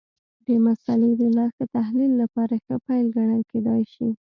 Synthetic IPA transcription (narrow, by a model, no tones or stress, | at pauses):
b̪əmasɑled̪əlaxd̪ət̪ahlilːapɑɾaxəpajlɡaɽanked̪ɑjʃi